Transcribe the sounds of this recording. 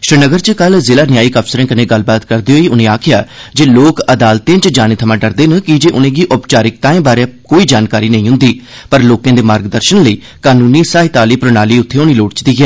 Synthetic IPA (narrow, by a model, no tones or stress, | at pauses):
ʃɾɪnəɡəɾt͡ʃəkəlzɪlaːnɪjaːiːkəpʰsəɾẽːkənẽːɡəlbaːt̪kəɾd̪eɦoːiːʊnẽːaːkʰɪjaːd͡ʒeːloːkəd̪aːlt̪ẽːt͡ʃd͡ʒaːneːt̪ʰəmãːɖəɾd̪eːnkɪd͡ʒeːʔʊnẽːɡiːʔʊpt͡ʃaːɾɪk̚t̪ãːẽːbaːɾaːkoːiːd͡ʒaːnkaːɾiːnəĩːɦʊ̃nd̪iː | pəɾloːkãːd̪eːmaːɾɡd̪əɾʃənləiː | kaːnuːniːsaːɦɪt̪aːliːpɾʊnaːliːʊt̪ʰːeːʊniːloːɽt͡ʃt̪iːɡɛː